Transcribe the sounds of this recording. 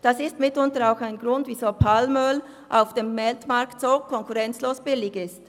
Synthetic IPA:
d̥ɑsɪstmɪtʊntəɾaʊxaɪnɡʁʊndv̥iːzoːpʰalmœl | ʔaʊfd̥eːmːɛltmɑʁktsoːkʰɔŋkuʁɛnt͡sloːsb̥ɪlɪɡɪst

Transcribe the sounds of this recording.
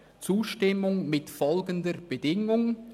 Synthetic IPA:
t͡suːʃtɪmʊŋmɪtfɔlɡəndəɾb̥ədɪŋʊŋ

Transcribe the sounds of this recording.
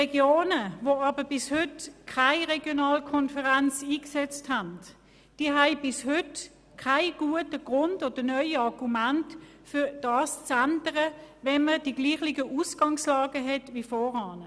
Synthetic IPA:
ʁɛɡjoːnəvoɑːbəb̥ɪshʏtkʰaɪʁɛɡjonɑːlkʰɔnfəʁant͡siːksɛt͡sthant | d̥iəɦæɪb̥ɪshʏt | kʰaɪɡ̥uətəɡ̥ʁʊntod̥ənœʏɑʁɡ̥umænt | fʏd̥ɑːst͡sandəʁəʋɛnməd̥iɡ̥liːχlɪɡəʔusɡ̥ɑŋslɑːɡəɦɛtʋiːfɔːʁɑːnə

